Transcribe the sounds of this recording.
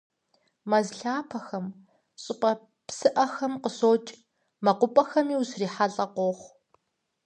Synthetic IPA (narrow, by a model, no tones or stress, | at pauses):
mɐzɬaːpʰɐxɐm | ɕʼɪpʼɐ | psɨʔɐxɐmqəsoːt͡ʃʼ | mɐqʷʊpʼɐxɐmiːwusriːħaɬʼɐqʷoχʷ